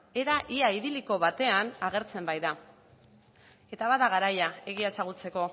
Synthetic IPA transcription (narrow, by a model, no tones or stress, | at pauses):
e̞ɾaʔiaiðiliko̞βat̪e̞anaɣ̞e̞ɾt͡se̞mbajða | e̞t̪aβaðaɣaɾajae̞ɣ̞iesaɣ̞ut͡se̞ko̞